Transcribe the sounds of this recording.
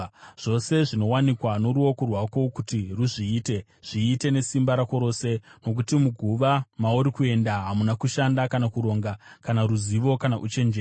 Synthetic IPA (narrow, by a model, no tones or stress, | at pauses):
ʐ̥o̞se̞ʐino̞wanikwano̞ɾuo̞kurwako̞kutiruʐiːte̞ | ʐ̥iːte̞ne̞simbaɾako̞ɾo̞ːse̞no̞k̬utimuɡʱuʋamauɾikue̞ndaɦamunakuʃandakanakuɾo̞ːŋɡakanaɾuziʋo̞kanaʔut͡ʃe̞nd͡ʒeː